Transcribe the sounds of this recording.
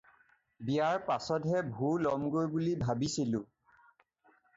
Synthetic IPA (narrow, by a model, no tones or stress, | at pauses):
bijaɹpasɔdɦɛbʱulɔmɡojbulibʱabisilʊ̃